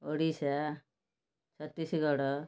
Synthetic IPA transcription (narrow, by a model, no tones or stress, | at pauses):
oɽisa | t͡sʰʌt̪ːisiɡʌɽʌ